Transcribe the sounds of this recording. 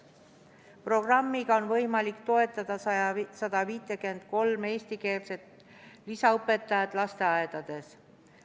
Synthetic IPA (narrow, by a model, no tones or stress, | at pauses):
pro̞ɡ̥rɑmːiɡ̥ɑo̞nvɤjmɑlikt̪o̞e̞t̪ːˑɑd̪̥ɑsɑɑsɑd̪̥ɑviːt̪ːˑekyend̪̥ko̞lme̞ːst̪ike̞ːlse̞t̪ | lisɑɤpːˑe̞t̪ːˑɑjɑd̪̥lɑst̪e̞ɑed̪̥ɑd̪̥e̞s